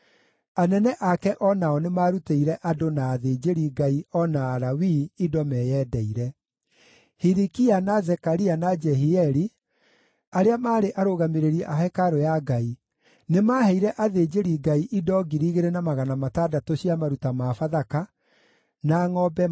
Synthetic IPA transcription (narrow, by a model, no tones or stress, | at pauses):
anɛnɛʔakɛʔɔnaɔnemaːɾuteiɾɛʔadonaːðed͡ʒeɾiɡaiɔnaːɾawiːdɔmɛːjɛːdɛiɾɛ | hiɾikianazɛkaɾianad͡ʒɛɦiɛɾi | aɾeamaːɾeʔaɾoɣameɾeɾiɛʔaɦɛkaɾojaɡai | nemaːhɛiɾɛʔaðeːd͡ʒeɾiɡaiʔidɔɡiɾiːɣeɾenamaɣanamatadatoɕiamaɾutamafaðaka | naŋɔbɛ